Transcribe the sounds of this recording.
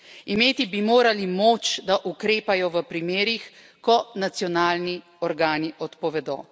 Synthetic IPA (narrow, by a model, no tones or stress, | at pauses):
imeːt̪ibimoːɾalimoːt͡ʃd̪aʔukɾeːpajɔʋəpɾimeːɾix | kɔnat̪sjɔnaːlni | ɔɾɡaːniʔɔt̪pɔʋɛd̪ɔ̰ː